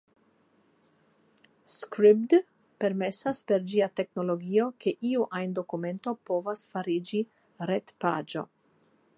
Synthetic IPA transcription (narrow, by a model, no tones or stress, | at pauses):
skɾipd | pe̞ɾme̞saspe̞ɾd͡ʒiate̞kno̞lo̞ɡio̞kʰe̞ʔiuʔajndo̞kume̞nto̞po̞vasfaɾid͡ʒi | ɾetpa̰d͡ʒo̞̰